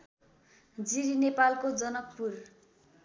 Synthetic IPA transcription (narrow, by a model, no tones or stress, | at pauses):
d͡ziɾinepalkod͡zʌnʌk̚pur